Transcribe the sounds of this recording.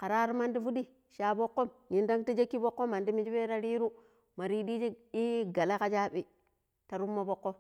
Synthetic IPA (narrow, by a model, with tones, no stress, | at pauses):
ka˨ɾa˦ɾu˦ma˦ndi˦fu˦di˦ | ʃa˨bo˦kːo˦mji˨nda˦ŋti˦d͡ʒe˦kːi˦bo˦kːo˦ma˨ndi˦mi˦d͡ʒi˦be˦ɾa˦ɾi˦ɾu˦ | ma˨ɾi˦di˦d͡ʒi˦i˦ɡa˨la˦ka˦t͡ʃa˦ɓi˦ | ta˨ɾu˦mːo˦bo˦kːo˦